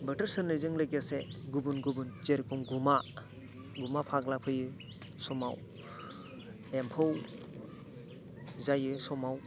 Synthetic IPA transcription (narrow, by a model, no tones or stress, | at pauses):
bətəɾsɯnlɯzɯŋlɯk̬aseɡubunɡubunt͡ʃeɾkʰɔŋɡuma | ɡumapʰaklapʰɯjɯ | sɔmaw | empʰɯw | zajɯsɔmaw